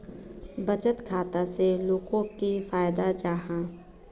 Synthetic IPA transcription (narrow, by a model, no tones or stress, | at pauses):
bət͡ʃət̪kʰaːt̪aseloːɡõkifaːjd̪ad͡ʒaːɦãː